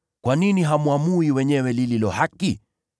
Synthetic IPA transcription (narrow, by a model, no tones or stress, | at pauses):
kwaniniɦamuamuiwɛɲɛwɛlililɔhaki